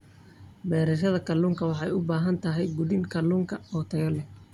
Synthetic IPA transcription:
bɛːɾɐʃ̬ɐðɐkʰɐlːuːŋkʰɐwɑħɑjʊbaːɦɐnt̪ʰɐɦɛjɡʊðɪŋkʰɐluːŋkʰɐɔːt̪ʰɐjɐlɛ

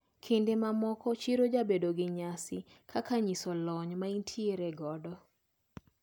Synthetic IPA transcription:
kʰindemamɔkɔt͡ʃiɾod͡ʒabedoɡɪɲasɪkʰakaɲisɔlɔɲmaintʰieɾeɡɔdɔ

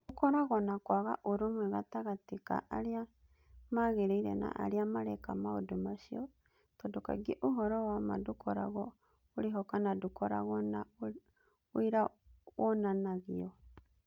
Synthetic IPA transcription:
dukɔɾaɣɔnakwaɣa̰ʔoɾomwɛɣataɣatika̰ʔaɾia | maɣeɾeiɾɛ̰na̰ʔa̰ɾiamaɾɛkamaodomaʃiɔ | tɔdoka̰ɡieʔoɦɔɾɔwama̰dukʰɔɾa̰ɣɔ | oɾeɦɔkanadukɔɾa̰ɣɔna | oiɾa | wʔɔnanaɣiɔ

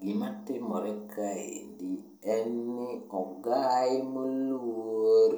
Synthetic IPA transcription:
ɡimatɪmɔɾɛkʰaḛndi | ɛnːɪɔɡaimoluoɾ

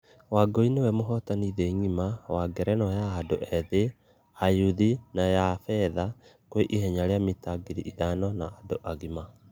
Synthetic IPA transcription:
waɡoinewɛmoɦɔtaniðɛɲimawaɡɛɾɛnɔjaːdoʔɛðe | ajuðinajafɛðakweʔiɦɛɲaɾeamitaɡiɾiʔiðanɔnaadoʔaɣima

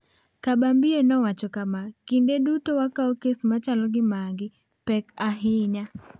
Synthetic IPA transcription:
kabambienɔwat͡ʃɔkamakindedutowakaokesmat͡ʃalɔɡɪmaŋɡɪ | pɛkaɦɪɲa

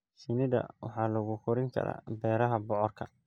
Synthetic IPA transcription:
sɪnɪðɐ̰wɑ̰ħɑːlɐɣʊkʰɔɾɪŋkʰɐ̰ɾa̰ːbɛːɾɐɦɐbɔʕɔrkʰɐ

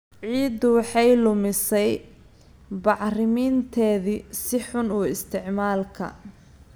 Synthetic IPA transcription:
ʕiːd̪wɑħɑjlʊmɪsɛj | bɑʕrɪmiːnt̪ʰɛːðisɪħʊnuːɪst̪ʰɪʕmaːlkʰɐ̰

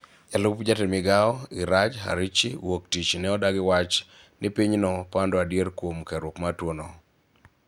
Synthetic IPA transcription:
jalʊpd͡ʒatemɪɡaɔɪɾat͡ʃɦa̰ɾit͡ʃiwok̚tit͡ʃnɛɔdaɡɪwat͡ʃ | nɪpiɲnɔpandɔadjeɾkwomkaɾwokmatwonɔ

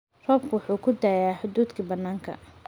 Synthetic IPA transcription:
rɔːb̚kʰʊwʊħuːkʰʊd̪aːjaːħʊd̪uːd̪kʰɐbɐnːaːŋkʰɐ̰

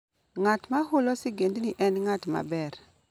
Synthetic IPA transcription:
ŋatmahʊlɔsɪɡendniʔɛnŋatma̰bɛɾ

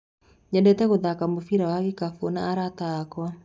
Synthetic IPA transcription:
ɲɛdɛtɛɣoðakamofiɾawaɣikafonaːɾatakwa

